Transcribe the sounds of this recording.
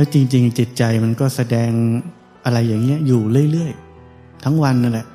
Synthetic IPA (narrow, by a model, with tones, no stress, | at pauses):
lɛː˦˥t͡ɕi˧ŋt͡ɕi˧ŋt͡ɕi˨˩t̪̚t͡ɕa˧jma˧nkɔː˥˩sa˧dɛː˧ŋ | ʔa˧ɾa˧jːaː˨˩ŋːi˦˥ɐjuː˨˩ɾɯ˥˩əjlɯ˥˩əj | t̪ʰa˦˥ŋwa˧nːa˧nlɛ˨˩ʔ